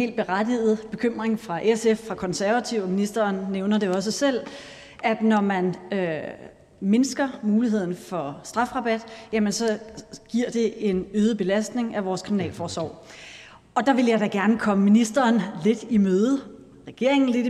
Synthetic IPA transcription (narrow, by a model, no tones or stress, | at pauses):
e̝̰ːld̚b̥e̝ʁad̥ið̞̩ˠb̥e̝kʰøm̰ʁeŋfʁɑ̈ʔesefːʁɑ̈kʰɒ̽nsæɐʋæt͡sʰiʊ̰minisd̥ɐːnneʊnɐd̥e̝ɒ̽s̬əsel̰ | ʔæd̥nɒmænø | me̝nsɡ̥ɐmuːliɦe̝ð̞̰ˠn̩fɒ̽sd̥ʁɑ̈fʁɑ̈b̥æd̥jæmənsɒ̽ɡ̥iɐ̰d̥e̝ʔe̝nøːð̞ˠəb̥e̝læsd̥ne̝ŋæʋɒːskʰʁiminɛ̰ːlfɒːsʋɒ̰ʊ̰ | ɒ̽d̥ɑ̈ʋe̝ljɑ̈ɪdæɡ̥æɐnəkʰɒ̽məminisd̥ɐːnle̝d̥imøːðˠə | ʁɛɡ̥e̝ɐ̰eŋn̩le̝di